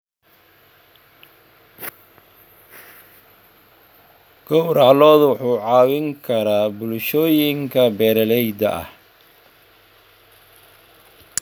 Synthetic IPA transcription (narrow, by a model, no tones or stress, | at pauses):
ɡ̥ɔwɾɑʕlɔːðwʊħuːʕɑːwɪŋkʰɐɾaːbʊlʃɔːjɪŋkʰɐbɛːɾɐlɛjd̪ɐ̰ʔɐ̰h